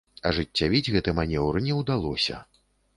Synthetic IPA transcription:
ɐʐɨt͡st͡sʲːavʲid͡zʲɣɛt̪ɨmanʲɛwɾɨnʲɛwd̪alˠɔsʲɐ̰

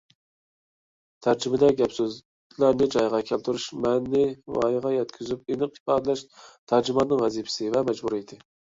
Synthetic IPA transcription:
t̪ʰæɾd͡ʒɪmɪd̪ɛɡʲɛpsøz | kʲʰlæɾnɪd͡ʒɑjʁɑkʲʰælt̪ʰuɾuʃmɛnːɪwɑ̰jʁɑjɛt̪kʲʰyzyp̚enɨqi̥pɑːd̪ɛlɛʃt̪ʰæɾd͡ʒimɑnːɨŋvɛzipʰɪ̥sɪvɛmɛd͡ʒbuɾijd̪ɪ

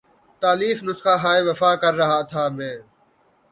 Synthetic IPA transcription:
t̪aːliːfnʊsxaːɦaːeʋɐfaːkəɾːɐɦaːt̪ʰaːmẽː

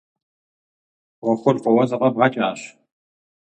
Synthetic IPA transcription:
ʁʷɔχʷʊrʁʷɔwɐzɨqʼɐbʁɑt͡ʃʼaːɕ

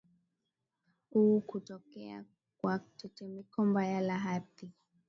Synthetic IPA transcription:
ukutɔkɛa̰ | kwatɛt͡ʃɛmikɔmbajalaɦati

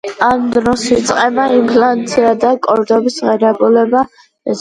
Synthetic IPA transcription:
and̪ɾɔsit̪sʼqʼɛmaimpʰlant̪sʰiad̪akʼɔɾd̪ɔbisʁɛɾɛbulɛba | ɛ

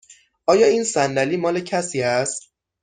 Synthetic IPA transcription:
ʔɒːjɒːiːnsænd̪æliːmɒːle̞cʰæsiːæst̪̚

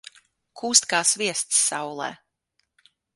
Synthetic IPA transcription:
kʰuːst̪kaːsvʲiɛst̪sːawlˠɛ̰ː

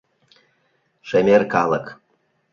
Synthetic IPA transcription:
ʂemʲerkɑlˠɤk

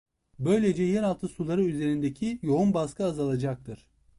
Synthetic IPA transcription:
bø̞jlʲe̞d͡ʒɛjɛnalˠt̪ʰɯsulˠaɾɯyze̞ɾind̪ecʰijo̞unbaskʰɯazalˠad͡ʒak̚t̪ʰɯɾ̥

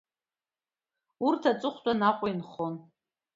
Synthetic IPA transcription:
urtʰat͡sʷʼɨχʷt͡ʃʷʼanaqʷʼainχon

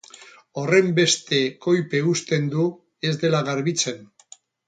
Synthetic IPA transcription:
o̞re̞mbe̞st̪e̞ko̞jpe̞ust̪e̞nd̪u | e̞zd̪e̞laɣaɾβit͡se̞n

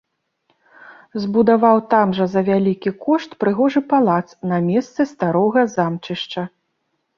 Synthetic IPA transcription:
zbud̪avawt̪amʐɐzɐvʲalʲikʲikɔʂt̪pɾɨɣɔʐɨpalˠat̪snɐmʲɛst̪sɨst̪aɾɔɣɐzamt͡ʂɨʂt͡ʂɐ

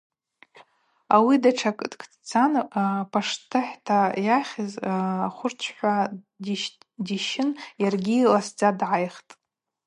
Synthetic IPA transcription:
awidaʈ͡ʂʰakʼdkʰʼdt͡sʰanpʰaʂtʰɨħtʰajaχʲɪzχʷʊrt͡ʃʷʰħʷa | diʃɪnjarɡʲilasd͡zadʕajχtʼ

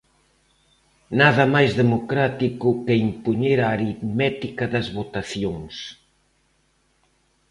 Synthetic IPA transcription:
naðɐmajzðemokɾat̪ikʊkeimpuɲeɾaːɾiðmɛt̪ikɐðɐzβot̪aθjoŋs

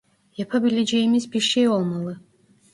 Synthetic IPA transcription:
japʰabilʲed͡ʒejimizbiɾʃejo̞lˠmalˠɯ

